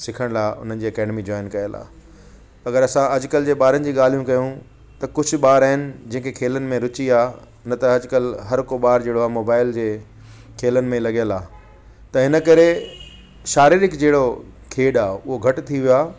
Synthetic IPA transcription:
sɪkʰəɽ̃laːʔʊ̰n̤ənɪ̆d͡ʑiːɐkɛːɖɪmid͡ʑɔːɪnkɐjəla̰ː | ɐɡəɾɐsãɐd͡ʑʊkɐld͡ʑeːɓaːɾənɪ̆d͡ʑiːɠaːl̤ijũkɐjũ | t̪ɐkʊd͡ʑʱʊ̆ɓaːɾaːɪnɪ̆d͡ʑɐ̃ɦɪ̃kekʰeːlənɪ̆mẽɾʊt͡ɕiaː | nɐt̪ɐɐd͡ʑʊkɐlɦɐɾkoɓaːɾd͡ʑeːɽoaːmoːbaːɪld͡ʑeː | kʰeːlənɪ̆mẽlɐɠijəlaː | t̪ɐɦɪnə̆kɐɾe | ʃaːɾiɾɪkd͡ʑeːɽokʰeːɗaːʊɦoɡʱɐʈʊt̪ʰiʋijoaː

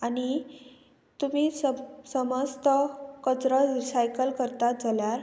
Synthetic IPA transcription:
añi | t̪umiːssəməst̪əkət͡sɾəɾisajkəlkəɾt̪ad͡zaljaɾ

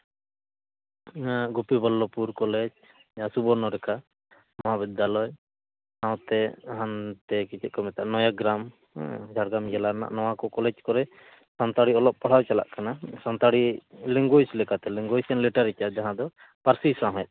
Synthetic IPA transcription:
naɡupibɔlːɔpuɾkɔlɛd͡ʒ | asubɔɾnɔɾɛka | mɔabid̪alɔj | awt̪ɛɦant̪ɛkit͡ʃɛkɔmɛt̪aʔnɔjaɡɾam | d͡ʒʱaɽɡɾamjɛlana̰ʔnɔwakɔkɔlɛd͡ʒkɔɾɛ | sant̪aɽiɔlɔp̚pɔɽ̤awt͡ʃala̰ʔkanasant̪aɽiliŋɡojslɛkat̪ɛliŋɡɔjsɛnliʈaɾit͡ʃad͡ʒaɦãd̪ɔ | paɾsisaɦɔɛt̪̚

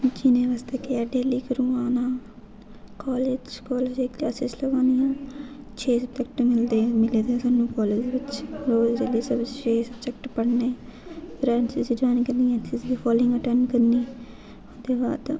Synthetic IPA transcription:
d͡ʒinẽːʋaːst̪eːkeaːɖeːliːkəɾũːaːnãː | kɔːleːd͡ʒkɔːleːd͡ʒeːkliasesləɡãːnd̪ijãː | t͡ʃʰeːsəbd͡ʒɛkʈmɪld̪eːmɪleːd̪esaːnːũːkɔːleːd͡ʒʋɪt͡ʃɾoːzɾeːliːsəbt͡ʃeːsəbd͡ʒək̚ʈpəɽneːbɾɛ̃ːɳsɪd͡ʒid͡ʒaːnkəɾnd̪iãːt͡ʃɪsd̪iːpʰɔːlɪ̃ŋɡəʈənkəɾniː | od̪eːba̰ːd̪

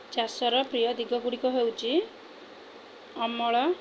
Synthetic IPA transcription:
t͡ʃasɔɾɔpɾijɔd̪iɡɔɡuɽikɔɦewt͡ʃʰi | ɔmɔɭɔ

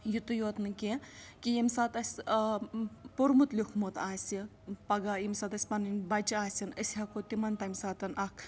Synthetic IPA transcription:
jut̪ujoːt̪nɨkekijimsaːt̪ɐsʲ | puɾmut̪lʲikʰmot̪aːsʲi | pɐɡajimsat̪ɐsʲpɐnɨnʲbɐt͡ʃiaːsʲinəsʲɦɐkot̪imɐnt̪ɐmʲsaːt̪ɐnʔɐkʰ

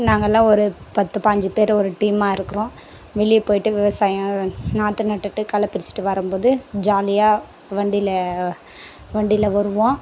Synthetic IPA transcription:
naːŋɡɐlːãːɔɾɯpɐt̪ːɯpɐɲd͡ʒɯpeːɾɔɾɯʈiːmaːɪɾɯkːɯɾõː | ʋɛɭɪjpoːjɪʈːɯʋɪʋɐsaːjɐ̃naːt̪ːɯnɐʈːɯʈːɯkɐlɐpːɪɾɪt͡ʃːɪ̥ʈːɯʋɐɾɯmpoːðɯd͡ʒaːlɪjaː | ʋɐɳɖɪlɐ | ʋɐɳɖɪlɐʋɐɾɯʋõː

